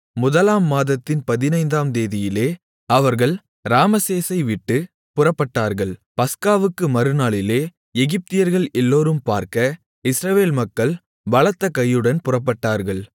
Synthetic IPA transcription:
mʊðɐlaːmːaːðɐt̪ːɪnpɐðɪnɐɪnd̪aːmd̪eːðɪjɪleː | ɐʋɐɾɣɐɭ | ɾaːmɐseːsɐɪʋɪʈːɯ | pʊrɐpːɐʈːaːɾɣɐɭpɐskaːʋɯkːɯmɐɾɯnaːɭɪleː | ɛɣɪp̚t̪ɪjɐɾɣɐɭɛlːoːɾɯmpaːɾkɐ | ɪsɾɐʋeːlmɐkːɐɭ | ʋɐɭɐt̪ːɐkɐjːɯɽɐnpʊrɐp̬ːɐʈːaːɾɣɐɭ

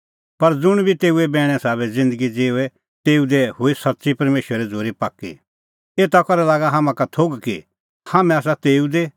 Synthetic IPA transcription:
pɐɾd͡zʊɽ̃bʱit̪eːuɛbɛːɽ̃ɛ̃saːβɛd͡zɪ̃nd̪əɡid͡zeːuɛ | t̪eːud̪ehʊisɐtːsipɐɾmeːʃwəɾɛd͡zoːɾipaːkːḭ | eːt̪akɐɾɛlaːɡaɦaːmãkat̪ʰoːɡki | haːmɛ̃aːs̬at̪eːud̪e

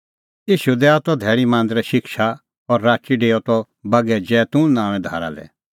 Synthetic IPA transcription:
iːʃud̪ɛat̪ɔd̪ʱɛːɽ̃imãːnd̪ɾɛʃɪkʃa | ɔɾːaːt͡ʃiɖeːɔt̪ɔ | bɐɡɛd͡ʒɛːt̪ũnãːʋ̃ɛ̃d̪ʱa̰ːɾa̰lɛ̰

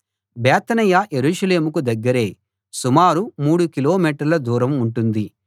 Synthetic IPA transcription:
bɛːt̪ɐnɐjajeɾuːʂɐle̞ːmukud̪ɐɡːɐɾe̞ː | sumaːɾumuːɽukilo̞ːmiːʈɐɾlɐd̪uːɾɐmuɳʈund̪i

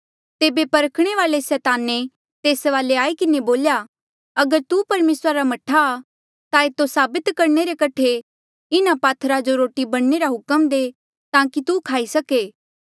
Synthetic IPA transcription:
t̪eːbepɐɾəkʰɽ̃eʋaːlesɛːt̪aːne | t̪eːsʋaːleaːikɪneboːlja | ɐɡəɾt̪upɐɾmeːsɾaɾamɐʈʰːaː | t̪aeːt̪osaːbɪt̪kɐɾɳ̃eɾekɐʈʰe | ɪnapaːt̪ʰɾad͡ʒoɾoːʈibɐɽ̃neɾaɦʊkəmd̪eː | t̪ãːkit̪ukʰaːisɐkeː

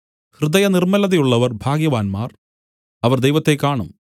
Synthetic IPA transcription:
hrɨd̪ɐjɐnirmɐlɐðɐjuɭːɐʋɐrbʱaːɡjɐʋaːnmaːr | ɐʋɐrd̪ejʋɐt̪ːe̞kːaːɳum

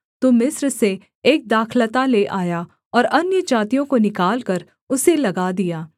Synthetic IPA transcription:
t̪omɪsɾse | eːk̚d̪aːkʰlət̪aleʔaːja | ɔːɾɐnjəd͡ʒaːt̪ijõkonɪkaːlkɐɾ | ʊselɐɡad̪ijaː

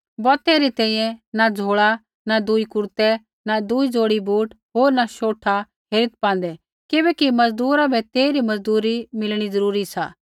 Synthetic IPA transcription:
bɔːt̪ɛɾit̪ɛ̃ːĩjɛ̃nad͡zʱoːɭa | nad̪uikʊɾt̪ɛ | nad̪uid͡zoːɽibʱuːʈ | ɦoːɾnaʃoːʈʰa | ɦeːɾɪt̪̚pãːnd̪ɛ | kɪbɛːkimɐd͡zd̪uːɾabʱɛt̪eːiɾimɐd͡zd̪uːɾimɪlɽ̃izɐɾuːɾisa̰ː

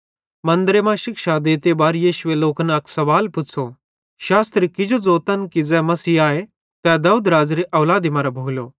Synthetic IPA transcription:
mɐ̃nd̪ɾemãʃɪkʃad̪eːt̪ebaːɾjiːʃʊʋeloːknɐksɐʋaːlpʊt͡sʰo | ʃaːst̪ɾikɪd͡ʒod͡zoːt̪ənkid͡zɛ̃ːmɐsiːaːe | t̪ɛd̪ɐud̪ɾaːd͡zɾiʔɐʋlaːd̪imaɾabʱoːɡljoː

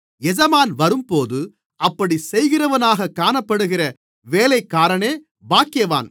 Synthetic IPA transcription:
ɛd͡ʒɐmaːnʋɐɾɯmpoːðɯ | ʔɐpːɐɽisɛjɣɪrɐʋɐnaːɣɐkːaːnɐpːɐɽɯɣɪrɐ | ʋeːlɐɪkːaːɾɐɳeː | baːkɪjɐʋa̰ːn

